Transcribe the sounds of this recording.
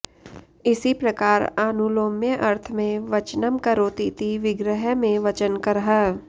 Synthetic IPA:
ɪsipɾɐkaːɾaːnuloːmjəʔɐɾt̪ʰmẽʋɐt͡ʃnəmkɐɾoːt̪it̪iʋɪɡɾəɦəmẽʋɐt͡ʃənkɐɾɦaː

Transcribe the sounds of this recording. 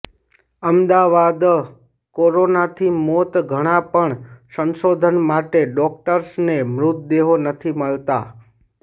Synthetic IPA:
əmd̪aʋad̪ | koɾonat̪ʰimɔt̪ɡʱəɽ̃apəɳsənsod̪ʱənmaʈeɖɔk̚ʈəɾsnemɾʊt̪̚d̪eɦonət̪ʰiməɭt̪a

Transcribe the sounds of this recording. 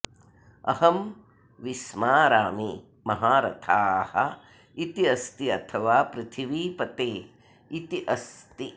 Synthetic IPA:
ɐ̰hɐm | ʋiʃmaːɾaːmi | mɐɦaːɾɐ̰t̪ʰaːhɐ | it̪iɐst̪iɐt̪ʰɐʋaːpɾɪt̪ʰiʋiːpɐt̪eː | it̪iʔɐst̪i

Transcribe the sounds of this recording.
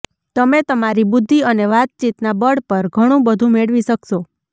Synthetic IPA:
t̪əmet̪əmaɾibʊd̪ʱːiəneʋat̪̚t͡ʃit̪nabəɽpəɾɡʱəɽ̃ũbəd̪ʱũmeɭʋiʃəkʃo

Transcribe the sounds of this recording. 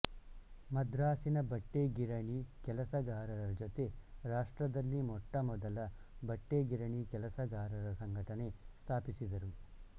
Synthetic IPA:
mɐd̪ɾaːsinɐbɐʈːeːɡiɾɐɳikɛlɐsɐɡaːɾɐɾɐd͡ʒot̪eɾaːʂʈɾɐd̪ɐlːimɔʈːɐmɔd̪ɐlɐ | bɐʈːeːɡiɾɐɳikɛlɐsɐɡaːɾɐɾɐsɐŋɡʱɐʈɐnest̪ʰaːpisid̪ɐɾu

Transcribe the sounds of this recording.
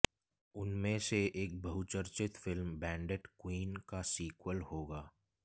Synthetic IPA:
ʊnmẽseʔeːk̚bɐɦʊt͡ʃəɾt͡ʃɪt̪fɪlmbɛ̃ːɳɖeʈkwiːnkasiːkwəlhoːɡaː

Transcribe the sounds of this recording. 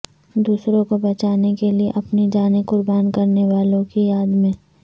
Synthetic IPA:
d̪uːsɾõkobɛt͡ʃaːnekelieʔɐpnid͡ʒaːnekʊɾbaːnkɐɾneʋaːlõkijaːd̪mẽː

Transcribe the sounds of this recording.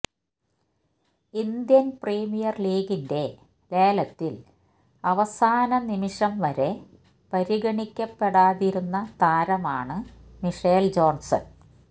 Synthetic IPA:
ind̪jɐnpreːmijɐrliːɡinde̞ | le̞ːlɐt̪ːil | ɐʋɐsaːnɐnimiʂɐmʋɐɾe̞ | pɐɾiɡɐɳikʲːɐpːe̞ɽaːðiɾunːɐt̪aːɾɐmaːɳɨmiʂeːld͡ʑo̞ːnsɐ̰n

